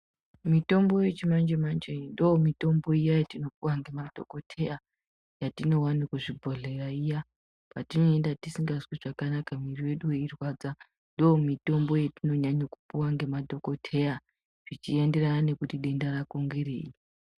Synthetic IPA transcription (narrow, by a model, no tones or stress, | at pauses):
mito̞mbo̞jet͡ʃimand͡ʒemand͡ʒeindomito̞mbo̞ijajatino̞puwaŋɡe̞madʱo̰ko̞tʰe̞ja | jatino̞wanikwuʐibʱo̞ɮe̞raija | patino̞endatisiŋɡazwiʐakanakamirije̞ɗuweirwad͡za | ndoomito̞mbo̞jetino̞ɲaɲokupuwaŋɡe̞madʱo̞ko̞tʰe̞ja | ʐ̥it͡ʃie̞nde̞ranane̞kutiɗe̞ndaɾakoŋɡeɾḛːji